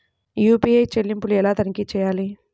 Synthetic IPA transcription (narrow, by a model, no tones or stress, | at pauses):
juːpiːejt͡ʃelːimpuluɛlaːt̪ɐnikiːt͡ʃɛːjaːli